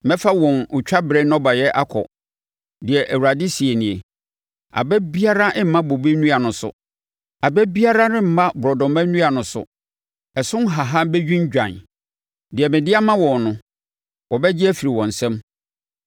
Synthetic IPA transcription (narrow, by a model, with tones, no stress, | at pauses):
mɛ̃˦fa˦wɔ̃˨nʊ˨t͡ɕᶣa˦bɾɛ˦nɔ̃˦ba˨jɛ˦ʔa˦kʰɔ̰˨ | dɪ˨ɛ˨ʔæ˨wu˨ɾa˨dɪ˦si˨e˨nĩ˨e˨ | a̰˨bɛ˦bi˦a˦ɾa˦ʔɪ̃˦m̩˨mã˦bo˨bi˦nũ˦a˨nʊ̃˨sʊ̰˨ | a˨bɛ˦bi˦a˦ɾa˦nɪ̃˦m̩˨mã˦bʊ˨ɾɔ˨dɔ̃˨mã˦nũ˦a˨nʊ̃˨sʊ̰˨ | ɛ˨sʊ̃˦n˦ɦa˨ɦa˦bɛ˦d͡ʑᶣĩ˦nd͡ʑᶣã̰˨n | dɪ˨ɛ˨mɪ̃˨dɪ˦a˦mã˦wɔ̃˨nnʊ̃˨ | wɔ˨bɛ˦d͡ʑɪ˦æ˦fi˨ɾi˨wɔ̃˨n̩˨sɛ̃˦m